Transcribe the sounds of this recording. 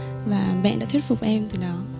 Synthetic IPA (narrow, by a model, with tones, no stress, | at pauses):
vaː˨˩ɓɛ̰˧˨nɗa̰ː˧t̪ʰwə˥t̚fʊ˨˩k͡p̚ʔɛ˧mt̪ɨ˨˩ɗɔ˨˦